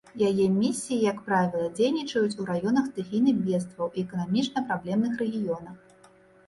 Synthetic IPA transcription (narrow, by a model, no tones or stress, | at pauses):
jajɛmʲisʲːijijɐkpɾavʲilˠɐd͡zʲejnʲit͡ʂɐjut͡sʲuɾajɔnɐxst̪ɨɣʲinɨxbʲɛst̪vɐwʔiɛkɐnamʲit͡ʂnɐpɾablʲɛmnɨxɾɛɣʲijɔnɐx